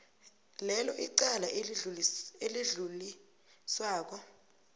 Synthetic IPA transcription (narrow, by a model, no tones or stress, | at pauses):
lɛlɔʔiǀala | eliɮuli | swaːk̬ɔ